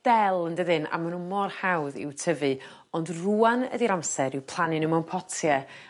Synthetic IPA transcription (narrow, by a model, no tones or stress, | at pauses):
d̥ɛlˠəndəðɨna̰manunmɔrhawðɪ̰wtʰəvɨ | ɔndruːanə̰diɾamsɛɾɪwpʰl̥ˠanɪnəmɔnpʰɔtʰjɛ